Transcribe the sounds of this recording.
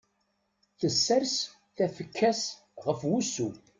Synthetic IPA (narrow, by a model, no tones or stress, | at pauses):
θəsːæɾs | θæfəkʰːæs | ʁəfwusu